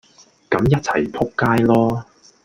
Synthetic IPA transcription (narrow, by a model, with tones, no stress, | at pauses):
kɐ˨˥mjɐ˥t̚t͡sʰɐ̰˨˩jpʰʊ˥kːaː˥jlɔː˥